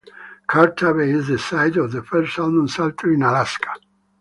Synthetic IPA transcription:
kʰaɾtʰabeɪzðəsaɪdɔvðəfɜɾstãnə̃nsalt̪ʰəɹĩnalaskʰḁ

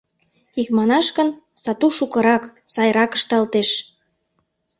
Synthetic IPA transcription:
ikmɑnɑʃkə̆nsɑt̪uʃukɤ̆ɾɑksɑjɾɑkə̥ʃt̪ɑlt̪eʃ

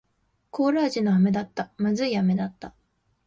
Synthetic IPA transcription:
ko̞ːɾaːʑinoame̞d̪at̪ːamazɨiame̞d̪at̪ːa

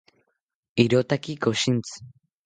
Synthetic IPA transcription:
iɾot̪akʲiɡoɕĩnt͡sɨ̥

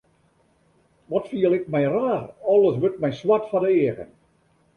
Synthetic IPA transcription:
ʋɔtfiəlˠɪkmɛjraːrɔlˠəsʋøt̚mɛjswatfɔdəeəɣə̰n

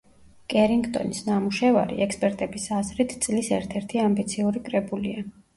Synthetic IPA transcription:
kʼɛɾiŋɡt̪ʼɔ̰nisnamuʃɛvaɾḭʔɛkspʼɛɾt̪ʼɛbisazɾit̪ʰt̪sʼlisɛɾt̪ʰɛɾt̪ʰiambit̪sʰiuɾikʼɾɛbulia

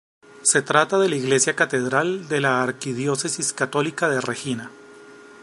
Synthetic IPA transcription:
se̞t̪ɾat̪aðe̞laiɣle̞sjakat̪e̞ðɾald̪e̞laːɾkiðjo̞se̞siskat̪o̞likaðerexina

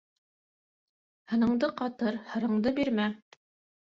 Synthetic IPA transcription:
hɤ̆nɤ̆ɴd̪ɤqɑt̪ɤɾhɤ̆ɾɤ̆ɴd̪ɤbiɾmæ

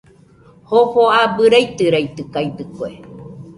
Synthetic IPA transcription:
hoɸoabɨɾajt̪ɨɾajt̪ɯkajt̪ɨkoe

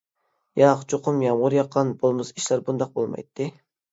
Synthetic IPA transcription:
jɑqt͡ʃʰoqʰʊmjɑmʁʊɾjɑqʰːɑnbolˠmɨsiʃlæɾbund̪ɑq̚bolˠmɑ̰jt̪ʰːɨ

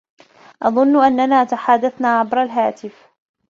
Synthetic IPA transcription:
ʔɑðˤʊnːʔanːanaːt̪aħaːd̪aθnaːʕabɾˤalɦaːt̪ɪf

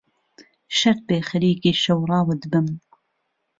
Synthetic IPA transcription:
ʃɐɾ̚beːxɐɾiːkiːʃɐwrˤɑːwəd̪bɨm

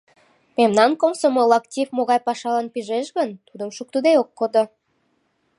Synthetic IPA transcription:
pʲemnɑnkomsomolˠɑktʲifmoɣɑjpɑʃɑlɑnpʲiʒeʒɡə̆nt̪ud̪əmʃuk̚t̪ud̪ejokːod̪ɤ̆

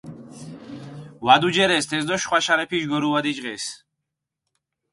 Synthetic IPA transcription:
vad̪ud͡ʒɛɾɛst̪ʰɛzd̪ɔʃχwaʃaɾɛpʰiʒɡɔɾuad̪it͡ʃʼʁɛs

